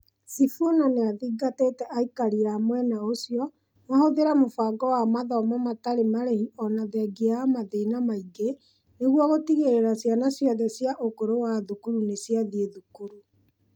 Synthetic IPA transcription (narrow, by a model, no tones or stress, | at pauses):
sifonaneaðiːɡateːtɛʔaikaɾiamwɛnaosiɔ | nahoðeɾamofaːɡɔwamaðɔmɔmataɾemaɾehiɔnaðɛɡeaamaðeinamaiɡe | neɣwɔɣotiɣeɾeɾasjanasjaðɛsjaʔokoɾowaðukuɾunesjaðieðukuɾu